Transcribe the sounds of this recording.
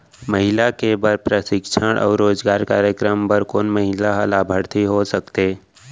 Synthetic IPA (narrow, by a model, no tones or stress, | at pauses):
məɦɪlakebəɾpɾəsɪkʃʰəɽ̃ʔɔ̰ːɾːoːzɡaːɾkaːɾjəkɾəmpəɾkoːnməɦɪlaɦəlaːbʱəɾt̪iɦosəkt̪eː